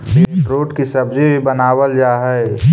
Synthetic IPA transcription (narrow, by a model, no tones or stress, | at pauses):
beɾoːʈkisɐbd͡ʒebʱibɐnaːwəld͡ʒaːɦɛ